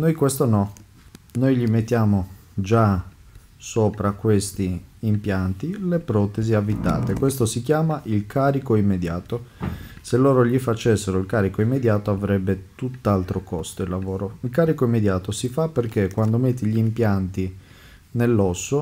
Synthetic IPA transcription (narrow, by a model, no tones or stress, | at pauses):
nojkwest̪onɔ | nojʎimet̪ːjaːmod͡ʒa | soːpɾakwest̪iːmpjant̪ilepɾɔːt̪eziavːit̪ːa̰ːt̪ekwest̪osik̟jaːmaʔilkʰaːɾikoimːed̪jaːt̪oselːoːɾoʎifat͡ʃːesːeɾoilkaːɾikoimːed̪jaːt̪oavɾɛbːet̪ut̪ːalt̪ɾokɔst̪oilːavoːɾoilkaːɾikoimːed̪jaːt̪osifaperk̟ekːwand̪omet̪ːiʎiimpjant̪i | nelːɔsːo